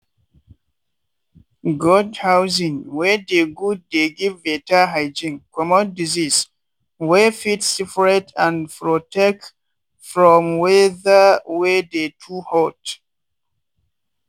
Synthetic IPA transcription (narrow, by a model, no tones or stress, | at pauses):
ɡɔdhawzĩŋwɛdeɡud̚ːeɡivːetaɦaɪd͡ʒĩŋkʰɔmɔ̃ndizis | wɛfitsifɹɛtʰãnpɹotʰɛk̚t | fɹɔ̃mwɛðəwɛdetʰuhɔt